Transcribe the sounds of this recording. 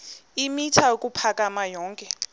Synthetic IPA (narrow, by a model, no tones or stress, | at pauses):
imitʰaokʼupʰakʼamajɔːŋkʼɛ